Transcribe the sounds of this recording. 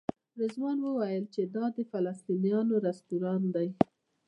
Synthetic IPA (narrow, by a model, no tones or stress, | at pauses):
ɾezmɑnwəwajəlt͡ʃed̪ɑd̪əfalast̪inijɑnoɾast̪uɾɑnd̪aj